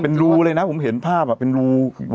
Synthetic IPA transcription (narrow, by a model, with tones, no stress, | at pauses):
pe˧nɾuː˦˧˥ɾɤː˧jna˦˥pʰo˩˦mɦe˩˦npʰaː˥˩p̚a˨˩pːe˧nɾuː˧˥